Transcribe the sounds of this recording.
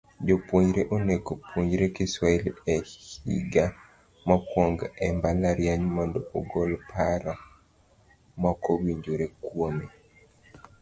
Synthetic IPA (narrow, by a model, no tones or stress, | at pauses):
d͡ʒopwoɲɟɾeʔonekopʰwoɲɾekiswailɛhḭɡa | mɔkwoŋɡɛmbalaɾjaɲmɔndɔoɡolpʰaɾɔ | mɔkowiɲd͡ʒoɾekwome